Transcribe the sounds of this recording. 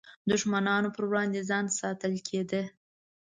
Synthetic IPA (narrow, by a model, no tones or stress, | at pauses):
d̪ʊʃmanɑnopəɾwɽɑnd̪ezɑnsɑt̪əlkʰed̪ə